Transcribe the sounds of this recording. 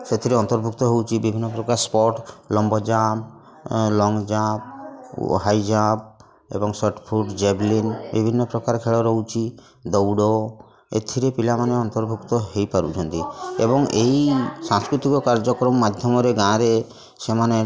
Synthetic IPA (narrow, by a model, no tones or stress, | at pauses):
set̪ʰiɾeɔnt̪ɔɾbʱukt̪ɔɦewt͡ʃʰibibʱinːɔpɾɔkaɾspɔʈlɔmbɔd͡ʒam | lɔŋɡd͡ʒãp | ɦajd͡ʒab̚ | ḛbɔŋsɔɾʈpʰuɾɖd͡ʒeblinbibʱinːɔpɾɔkaɾkʰeɭɔɾɔɦut͡ʃʰi | d̪ɔwɽɔ | ḛt̪ʰiɾepilamaneɔnt̪ɔɾbʱukt̪ɔɦejpaɾṵt͡ʃʰɔnt̪iḛbɔŋeisãŋskɾut̪ikɔkaɾd͡ʒɔkɾɔmɔːad̪ʱjɔmɔɾeɡãɾe | semane